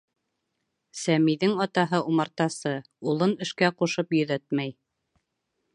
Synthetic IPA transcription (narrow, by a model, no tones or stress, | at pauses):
sæmiðɘŋɑt̪ɑɦɤʔumɑɾt̪ɑsɤ | ulˠɤnɘ̆ʃkæquʃɤpjɵ̆ðæt̪mæj